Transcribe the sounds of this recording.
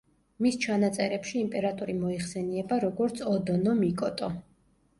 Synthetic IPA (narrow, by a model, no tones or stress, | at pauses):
mist͡ʃʰanat̪sʼɛɾɛpʃiːmpʼɛɾat̪ʼɔɾimɔiχsɛniɛbaɾɔɡɔɾt̪sʰɔd̪ɔnɔmikʼɔt̪ʼɔ